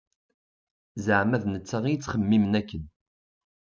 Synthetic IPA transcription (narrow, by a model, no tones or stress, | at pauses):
zəʕmæðnət͡sːaʁijət͡sːχəmːimənækːən